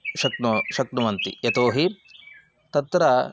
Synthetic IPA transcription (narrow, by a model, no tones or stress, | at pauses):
ʃɐk̪̚nuʃɐk̪̚nuʋɐnt̪ḭjet̪oːɦi | t̪ɐt̪ɾɐ